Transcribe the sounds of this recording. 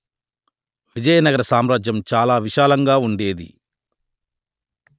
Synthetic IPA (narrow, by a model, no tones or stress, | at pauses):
ʋid͡ʒɐjɐnɐɡɐɾɐsaːmɾaːd͡ʒjɐmt͡ʃaːlaːʋiʃaːlɐŋɡaːuɳɖe̞ːd̪ḭ